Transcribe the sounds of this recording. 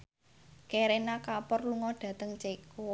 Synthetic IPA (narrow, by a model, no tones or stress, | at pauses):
keɾenakapɔrluŋɔɖ̥ä̤t̪əŋt͡ʃeko